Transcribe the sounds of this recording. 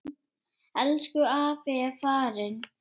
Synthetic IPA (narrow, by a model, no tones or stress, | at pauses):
ɛlskʏaːfɛːfaːɾɪn